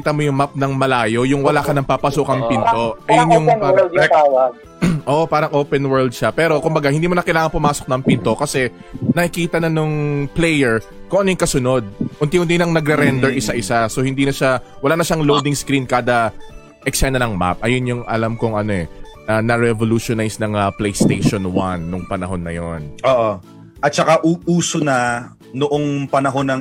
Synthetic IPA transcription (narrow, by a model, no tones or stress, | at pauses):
kiːt̪ɐmo̞jʊŋmap̚nɐŋmɐlaːjo̞jʊŋwɐlaːkɐnɐŋpapɐsukɐŋpɪnt̪o̞ʔɐjonjʊŋpaɾɐɛaw | ʔoːʔopaːɾɐŋʔoːpɛnwɛɹld̪̚ʃapɛːɾo̞kʊmbɐɡahɪnd̪iːmonɐkɐjlaːŋɐŋpʊmaːso̞k̚nɐŋpɪnt̪o̞kɐsɛ | nɐʔɪkiːt̪ɐnɐnʊŋplɛjɛɹkʊŋʔɐnojʊŋkɐsʊno̞d̪̚ʔʊnt̪ihʊnt̪inɐŋnɐɡɾɛɾɛnd̪ɛɹʔɪsaʔɪsaso̞hɪnd̪iːnɐʃawɐlaːnɐʃaŋlowd̪ɪŋskɾinkaːd̪ɐ | ʔɛksɛnɐnɐŋma̰p̚ʔɐjonjʊŋʔɐ̰lamkʊŋʔɐno̞ʔɛnɐnɐɾɛvoluːʃonajsnɐŋɐplɛjst̪ejʃonwanːʊŋpɐnɐɦo̞nːɐjonʔoːʔo | ʔɐt̪̚t͡ʃɐkaʔuʔuːsonɐ | nʊʔoŋpɐnɐɦo̞nɐŋ